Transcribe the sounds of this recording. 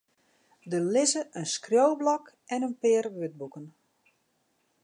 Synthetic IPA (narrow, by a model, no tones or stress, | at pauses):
dəlɪzəʔənskrjowblɔk | ɛnənpɪərʋʏt̚bukən